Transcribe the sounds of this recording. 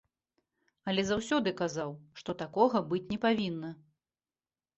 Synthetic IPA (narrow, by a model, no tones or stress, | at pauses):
ɐlʲɛzawsʲɔd̪ɨkazawʂt̪ɔt̪akɔɣɐbɨt͡sʲnʲɛpavʲinːɐ